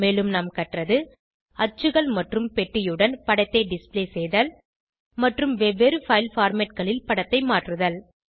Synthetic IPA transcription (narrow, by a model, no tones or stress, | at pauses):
meːlɯmnaːmkɐʈrɐðɯ | ɐt͡ʃːɯɣɐɭmɐʈrɯmpɛʈːɪjɯɽɐnpɐɽɐɪt̪ːeːɖɪspleːsɛjðɐl | mɐʈrɯmʋɛʋeɾɯfɐɪlfaːɾmɛʈ̚ɡɐɭɪlpɐɽɐt̪ːɐɪmaːʈrɯðɐl